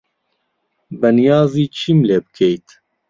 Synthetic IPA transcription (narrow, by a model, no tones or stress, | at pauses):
bɛnijɑːziːt͡ʃʰiːmleːbɨkʰejt̪